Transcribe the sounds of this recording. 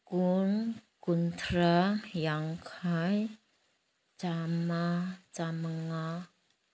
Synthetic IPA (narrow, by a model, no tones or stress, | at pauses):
kunkunt̪ɾajaŋkʰaj | t͡ʃamat͡saməŋa